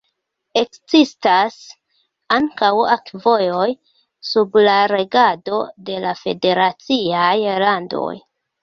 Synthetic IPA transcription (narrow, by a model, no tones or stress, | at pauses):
e̞kzistas | aŋkawakvo̞jo̞j | sublaɾe̞ɡado̞de̞lafe̞de̞ɾat͡siajlando̰j